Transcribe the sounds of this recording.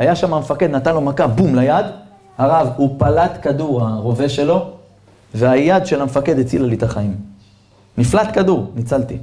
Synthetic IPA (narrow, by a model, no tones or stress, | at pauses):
ajaʃamamefake̞d̪nat̪anlo̞makabumlajad̪ | aʁavupalat̪kad̪uʁaʁo̞veʃe̞lo̞ | veajad̪ʃe̞lamefake̞d̪et͡silalit̪aχaim | niflat̪kaduʁnit͡salt̪i